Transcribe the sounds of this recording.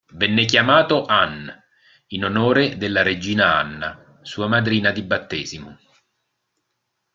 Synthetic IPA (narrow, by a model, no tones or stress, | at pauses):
vɛnːɪk̬jamaːt̪oʔan | inonoːɾed̪elːaɾed͡ʒːiːnaa̰nːa | suːamad̪ɾiːnad̪ibːat̪ːeːzimʊ